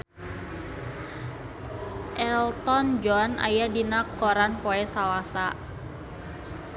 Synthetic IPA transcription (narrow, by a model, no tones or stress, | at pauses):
ʔɛlt̪ɔnd͡ʒɔna̰jadinakːɔɾanpɔɛsalasa